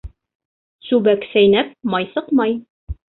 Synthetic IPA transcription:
sʉbæksæjnæp̚mɑjsɤqmɑj

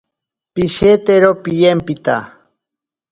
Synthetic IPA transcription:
piʃet̪eɾopijempit̪a̰

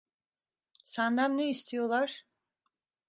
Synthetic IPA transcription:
sand̪amneist̪ʰijo̞lˠaɾ̥

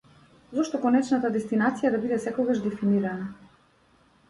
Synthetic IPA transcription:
zɔʃt̪ɔkɔnɛt͡ʃnat̪ad̪ɛst̪inat̪sijad̪abid̪ɛsɛkɔɡaʒd̪ɛfiniɾana

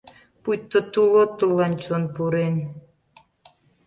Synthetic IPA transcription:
pujt̪ːot̪ulot̪ːəlːɑnt͡ɕonpuɾen

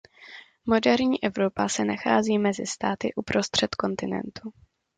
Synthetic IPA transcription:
mo̞dɛɾɲiːʔɛvɾo̞pasɛnaxaːziːmɛzɪst̪aːt̪ɪʔupɾo̞st̪r̥ɛt̪ko̞nt̪ɪnɛ̰nt̪u

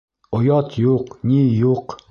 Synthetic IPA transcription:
ojɑt̪juqnʲijuq

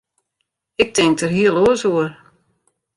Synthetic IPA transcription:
ɪk̚tʰɪŋk̚tərɦiəlˠoəsoər

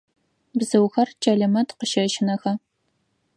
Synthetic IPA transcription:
bzɨwxɐrt͡ʃʼɐɮɐmɐtqəʃɐʃɪnɐxɐ

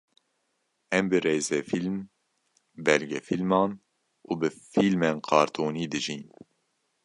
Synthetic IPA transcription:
ɛmbɨɾeːzɛfilm | bɛlɡɛfilmɑːn | uːbɨfiːlmeːnqʰɑːɾt̪ʰoːniːd̪ɨʒiːn

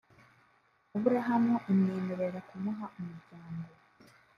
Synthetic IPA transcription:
uβuɾeɦamoʔumɲeːmeɾe̞ɾakumuɦaʔumuɾɟaːŋɡo̞

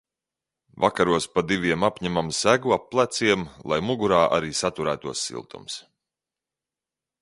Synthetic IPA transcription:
vakaɾuɔspad̪ivʲiɛmapʲɲæmamsæɡuapːlˠæt̪siɛmlˠa̰jmuɡuɾaːʔa̰ɾiːsat̪uɾæːt̪uɔsːḭlˠt̪ṵms

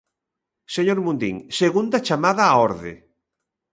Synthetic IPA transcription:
seɲoɾmũnd̪ḭŋseɣund̪at͡ʃamaðaːoɾðḛ

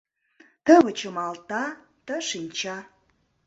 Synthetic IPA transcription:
t̪əβə̆t͡ɕə̆mɑlt̪ɑt̪ə̆ʃinʲt͡ɕɑ

